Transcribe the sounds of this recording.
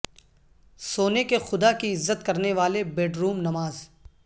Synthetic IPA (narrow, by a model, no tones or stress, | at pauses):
soːnekexʊd̪akiɪzːət̪kɐɾneʋaːlebɛːɖɾuːmnɐmaːz